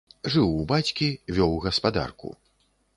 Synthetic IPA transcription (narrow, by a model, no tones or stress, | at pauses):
ʐɨwubat͡sʲkʲivʲɔwɣɐspad̪a̰rkṵ